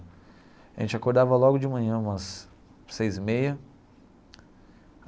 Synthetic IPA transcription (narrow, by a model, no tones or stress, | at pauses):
ʒḛ̃nt͡ʃɪakoɾd̪avɐlɔɡʊd͡ʒɪmɐ̃ɲɐ̃ũmɐsː | ejzmejɐ